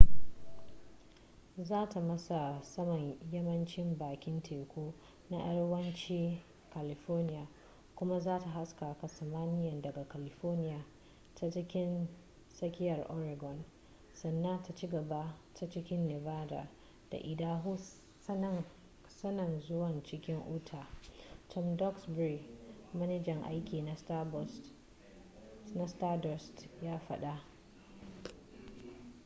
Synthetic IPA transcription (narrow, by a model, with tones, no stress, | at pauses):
zaː˦tʰa˨mɐ˦sa˨sɐ˦mɐ˨ɲjɐ˦mɐ˦nt͡ʃɪ˦mbaː˨kʲɪ˦ntʰeː˨kʷoː˦ | na̰˦ʔɐ˦ɽwɐ˦nt͡ʃiː˦ | ka˨lɪ˨ɸoː˦rnɪ˦jaː˨ | kʷʊ˦ma˦zaː˦ta˨ɦa˦skaː˨ka˨sɐ˨maː˦nɪ˦jɐ˨ndɐ˨ɡa˨ka˨lɪ˨ɸɔː˦rnɪ˦jaː˨ | ta˦t͡ʃɪ˦kʲɪ˦n | sɐ˦kʲɪ˦jɐ˨rʔɔ˦ɾa˨ɡɔ˨n | sɐ˨nːa˦nta˨t͡ʃi˦ɡɐ˨ba˦tʰa˦t͡ʃɪ˦kʲɪ˦nːɛ˨vaː˦da̰˨ | d̥a̰˨ʔɪ˨daː˦ɦu˦ | sɐ˦nɐ˨nzʊ˦wɐ˨nt͡ʃɪ˦kʲɪ˦ŋʔuː˦tʰaː˨tʰɔ˦mdɔ˦ksbɾi˨mɐ˦ne˦d͡ʒɛ˨ŋʔa̰˦jkʲiː˨na˨ | na˦staː˦dɔ˨stjaː˦ɸɐ˦ɗa˦ʔ